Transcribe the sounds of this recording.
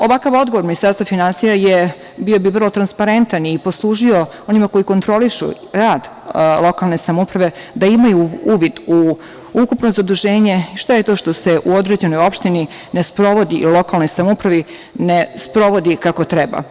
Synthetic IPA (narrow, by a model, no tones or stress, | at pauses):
o̞ʋakaʋo̞d̪ɡoʋo̞ɾminist̪aɾst̪ʋafinansijaje | bio̞biʋr̩lˠo̞t̪ɾanspaɾe̞nt̪aniposlˠuːʒio̞o̞nimako̞jiko̞nt̪ɾo̞liʃṵ | ɾaːd̪ | lˠo̞kalˠne̞samupɾaʋe̞ | d̪aimajuuːʋid̪u | ukupno̞zad̪uʒe̞ːɲe̞ʃt̪aje̞t̪o̞ːʃt̪o̞se̞ʔuo̞d̪ɾe̞d͡ʑe̞no̞jo̞pʃt̪ini | ne̞spɾo̞ʋo̞d̪ilˠo̞kalˠno̞jsamupɾaʋi | nespɾo̞ʋo̞d̪ikako̞t̪ɾɛba̰